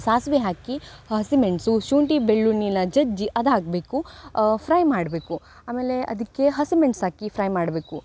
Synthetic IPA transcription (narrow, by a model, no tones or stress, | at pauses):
saːsʋeɦaːkiɦɐsimeɳʈsuʃuːɳʈibeɭːuninɐd͡ʒɐd͡ʒiʔɐd̪aːɡbeːkupʰɾɐjmaːɖbeːku | aːmeːleʔɐ̰d̪ikːeɦɐsimeɳʈsɦaːkipʰɾɐjmaːɖbeːku